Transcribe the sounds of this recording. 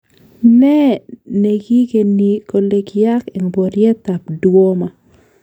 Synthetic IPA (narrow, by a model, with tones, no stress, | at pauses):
nɛ˦ne˨ɡi˦ke˨ni˨ko˨le˨kja˦ke˨ŋbɔ˨ɾjɛ˦t̪a˨pdwo˦ma˨